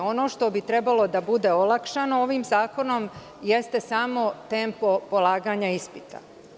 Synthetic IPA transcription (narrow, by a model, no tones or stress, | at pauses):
o̞no̞ːʃt̪o̞bit̪ɾe̞balˠo̞d̪abud̪e̞olˠakʃano̞o̞ʋiːmzaːko̞no̞m | je̞st̪e̞samo̞t̪e̞ːmpopo̞lˠaːɡaɲaispit̪a̰